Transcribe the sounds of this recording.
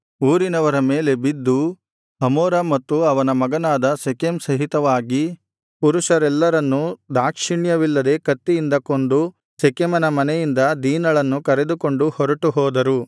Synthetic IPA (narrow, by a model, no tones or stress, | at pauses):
uːɾinɐʋɐɾɐmeːle̞bid̪ːu | ɦɐmɔːɾɐmɐt̪ːuɐʋɐnɐmɐɡɐnaːd̪ɐsekemsɐɦit̪ɐʋaːɡi | puɾuʂɐɾɛlːɐɾɐnːud̪aːkʂiɳjɐʋilːɐd̪e̞kɐt̪ːijind̪ɐkond̪u | sekemɐnɐmɐnɛjind̪ɐd̪iːnɐɭɐnːukɐɾe̞d̪uko̞ɳɖuhɔɾɐʈuɦɔːd̪ɐɾu